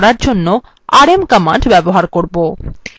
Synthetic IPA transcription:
ɽaɾd͡ʑonːo | aɾemkəmaɳɖbɛboɦaɾkoɾbo

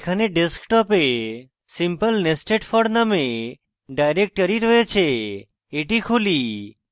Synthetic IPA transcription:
kʰaneɖeskʈɔpe | simpəlnesʈeʈfɔɽnəme | ɖajɾek̚ʈkəɾiɾəɦet͡ʃʰeː | ʈikʰuli

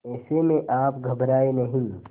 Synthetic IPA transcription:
ɛːsemẽʔaːpɡʱɐbɾaːenɐɦĩ

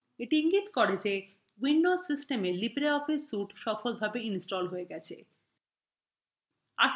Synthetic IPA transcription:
eʈiiŋɡit̪kɔɾed͡ʑe | winɖozsisʈemelipɾeɔfisuʈʃɔfolbʱabeinsʈɔlɦoeɡɛt͡ɕʰḛ | a̰ʃ

